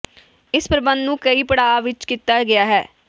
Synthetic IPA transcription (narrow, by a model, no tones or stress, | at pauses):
ɪspɾəbə̃nd̪nũːkəiːpəɽaːaʋɪt͡ʃkiːt̪aːɡɪaːɦɛː